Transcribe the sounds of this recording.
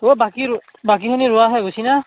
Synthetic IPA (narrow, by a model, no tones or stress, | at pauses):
obaki | bak̬ikiniɹʊaɦɛɡusina